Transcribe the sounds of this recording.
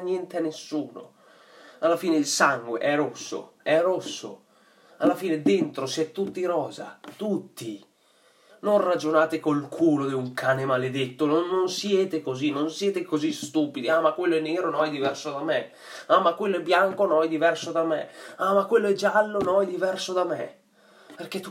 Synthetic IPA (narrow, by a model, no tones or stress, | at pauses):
njɛnt̪eanːesːuːno̰ | alːafiːneilsaŋɡwḛʔɛrɾosːo̰ | ɛrosːo̰ | alːafiːned̪ent̪ɾosiɛt̪ːut̪ːiɾɔːza̰t̪ut̪ːi | nonrad͡ʒonaːt̪ekolkʰuːlod̪iuŋkʰaːnemaled̪et̪ːononːonsjɛːt̪ekozinonsjɛːt̪ekozist̪uːpid̪iamakːwelːoɛnːeːɾonɔjd̪ivɛrsod̪ame | amakwelːoɛbːjaŋkonɔjd̪ivɛrsod̪amḛamakːwelːoɛd͡ʒːalːonɔjd̪ivɛrsod̪amɛ̰ | perk̟et̪ːu